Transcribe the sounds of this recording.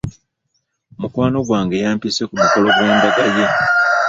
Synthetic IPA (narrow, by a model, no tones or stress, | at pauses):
mukwaːno̞ɡwaːŋɡe̞jaːmpise̞kumuko̞lo̞ɡwe̞ːndaɡaje